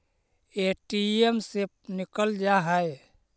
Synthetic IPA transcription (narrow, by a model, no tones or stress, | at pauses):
eʈiemse | nikəld͡ʒaɦəj